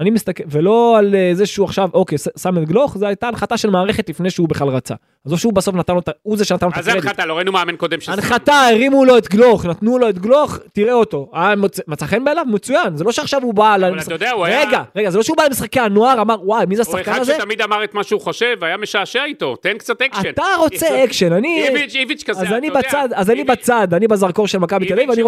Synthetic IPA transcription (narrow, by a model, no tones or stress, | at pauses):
animist̪akelvelo̞alezeʃeuaχʃavʔo̞kejssamet̪ɡlo̞χzeajt̪aːnχat̪aʃelmaːʁeχet̪lifnejʃeubeχlalʁat͡sa̰ | azoʃeubaso̞fnat̪anlot̪auzeʃenat̪anot̪aedat̪aloʁainumeamenkod̪emʃanχat̪aeʁimulo̞et̪ɡlo̞χnat̪nulo̞et̪ɡlo̞χt̪iʁeo̞t̪o̞aamt͡semet͡saχenbealavmet͡sujanzelo̞ʃeaχʃavubalamisjodeauaeɡaʁe̞ɡazelo̞ʃeubalemisχakeanoaʁamaʁwajmizeassaχkanazet̪amid̪amaʁet̪maʃeuχoʃevajameʃaːʃeait̪ot̪enkt͡sat̪ekent̪aʁo̞t͡seekʃenanivit͡ʃivit͡ʃkaazanibat͡sad̪azanibat͡sad̪anibazaʁko̞ʁʃelmakabit̪elavivaniʁ